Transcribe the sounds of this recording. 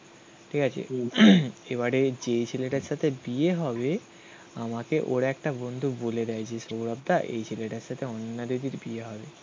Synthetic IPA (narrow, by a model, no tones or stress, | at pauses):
ʈʰikat͡ɕʰḛ | ebaɾed͡ʑejt͡ɕʰeleʈaɾʃat̪ʰebieɦɔbe | amakeʔoɾɛk̚ʈabond̪ʱuboled̪ɛed͡ʑeʃouɾab̚d̪aʔḛjt͡ɕʰeleʈaɾʃat̪ʰeɔnːad̪od̪iɾbieɦɔbe